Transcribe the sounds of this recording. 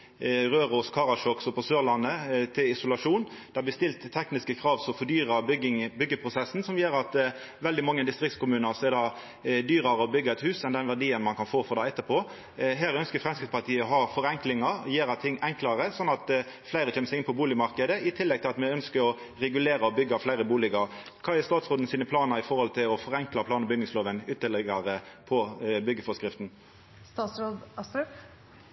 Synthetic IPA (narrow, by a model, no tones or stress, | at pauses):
ʁøːɾoːskʰɑːʁɑʂɔksɔpʰɔsøːʁlɑnːət̪ʰɪlɪsʊlɑʂuːn | d̪̥ɛɑb̪ɪst̪ɪlt̪ʰːɛknɪskəkʰɾɑːʋsɔɔfɔd̪yːɾɑbɪbʏɡːəpʰɾʊsɛsːn̩sɔmjeːɾɑt̪ | ʋɛld̪ɪmɑŋːəd̪ɪst̪ɾɪk̚t̪skʊmʉːnəɾsɔɛd̪ɑ | d̪yːɾɑɾəɔbʏɡːəɛt̪hʉːsɛnd̪ɛnʋæʁɖ̪iːənmɑnkʰɑnfoːfɔʁd̪ɑːɛt̪ːəpʰoː | ɦæːɾœnskəfɾʁɛmskɾɪt̪spʰɑt̪ʰiːəɔɦɑfɔɾɛŋklɪŋɑɾɔjeːɾɑt̪ʰɪŋːɛŋklɑʁəsɔnːɑt̪ | flæɪɾəçʰɛməsɛɪɡɪnpʰɔbuːlɪmɑɾkəd̪əɪt̪ʰɪlːɛɡ̚t̪ʰɪlɑt̪mɛœnskəɾɔ | ɾɛɡʉleːɾəɔbʏɡːɑflæɪɾəbuːlɪɡɑɾ | kʰɑːɛst̪ɑːt̪sʁoːd̪nsiːnəpʰlɑːnəɾɪfɔɾhɔlt̪ʰɪlɔfɔʁɛŋklɑpʰlɑːnəbʏɡnɪŋsloːʋənʏt̪ːəlɛɡɑɾəpʰɔbʏɡːəfɔskɾɪft̪n̩ | st̪ɑːsɾoːd̪ɑst̪ʉp